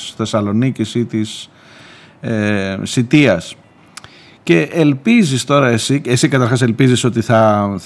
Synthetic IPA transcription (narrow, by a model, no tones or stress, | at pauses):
θe̞sɐlo̞nicisit̪is | esit̪iɐs | ce̞ʔelpizist̪o̞ɾɐe̞siesikɐt̪ɐɾxɐse̞lpiziso̞t̪iθɐ